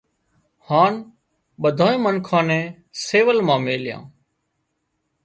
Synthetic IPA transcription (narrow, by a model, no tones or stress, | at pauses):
haːn | ɓəd̪ʱaːẽːmənkʰãːnɛ̃ː | seːʋəlmãːmeːljã̰ː